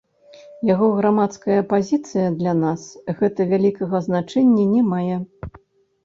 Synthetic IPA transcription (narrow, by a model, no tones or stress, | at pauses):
jaɣɔɣɾamat̪skɐjɐpazʲit̪sɨjɐd̪lʲanasɣɛt̪ɐvʲalʲikɐɣɐznat͡ʂɛnʲːɐnʲɛmajɛ